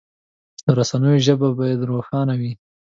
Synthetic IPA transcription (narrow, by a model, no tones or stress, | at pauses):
d̪əɾasanəjoʒəbabɑjad̪ɾoxɑnawi